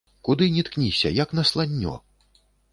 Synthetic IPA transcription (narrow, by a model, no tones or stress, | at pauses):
kud̪ɨnʲit̪knʲisʲɐ̰jɐknɐslˠanʲːɔ̰